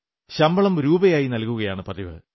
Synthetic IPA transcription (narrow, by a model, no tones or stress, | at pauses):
ɕɐmbɐɭɐmɾuːbɐjaːjinɐlkuɣɐjaːɳɨpɐd̪iʋɨ̰